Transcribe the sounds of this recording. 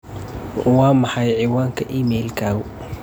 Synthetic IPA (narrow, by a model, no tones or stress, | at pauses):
wɑːmɑħɑjʕiːwaːŋkʰɐʔiːmɛːlkʰaːɣʊ